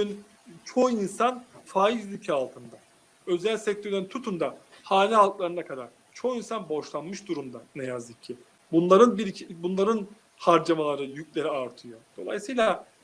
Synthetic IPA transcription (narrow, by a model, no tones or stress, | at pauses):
yn | t͡ʃʰo̞insanfaːizlʲycʰaːlˠt̪ʰɯnd̪a | ø̞zælʲsɛc̚t̪ʰøɾlʲeint̪ʰut̪ʰund̪ahaːlʲiɦalˠklˠaɾɯnakʰad̪aɾ̥ | t͡ʃʰo̞xinsanbo̞ʃlˠanmɯʃd̪uɾumd̪anɛjazd̪ɯcʰːɪ | bunlˠaɾɯnbiɾiibunlˠaɾɯn | haɾd͡ʒamalˠaɾɯjycʲlʲe̞ɾiaɾt̪ʰɯjod̪̥o̞lˠa̰jsɯjlˠa